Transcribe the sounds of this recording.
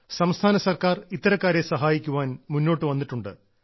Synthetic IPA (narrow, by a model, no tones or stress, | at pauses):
sɐmst̪ʰaːnɐsɐrkaːrit̪ːɐɾɐkːaːɾesɐɦaːjikʲːuʋaːnmunːo̞ːʈːɨʋɐnːiʈːuɳɖɨ̰